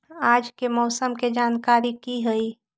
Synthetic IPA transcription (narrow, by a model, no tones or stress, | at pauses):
ad͡ʒkemɔːsəmked͡ʒankaɾikiɦəi